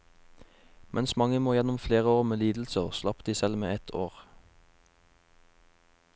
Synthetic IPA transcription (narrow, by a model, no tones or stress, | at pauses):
mʔɛnsmɑŋəmoːjɛnʊmfleːʁəoːʁmeːliːd̪l̩səslɑpd̪̥iːsɛlmḛːɛt̪ʰoːʁ